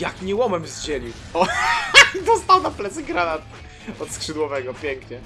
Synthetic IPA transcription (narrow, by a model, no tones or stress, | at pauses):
jakɲɛwɔmɛmzd͡ʑɛlʲi | ɔ | id̪ɔst̪awnaplɛt̪sɨɡɾanat̪̚ | ɔt̪skʂɘd̪wɔvɛɡɔpʲjɛŋkɲɛ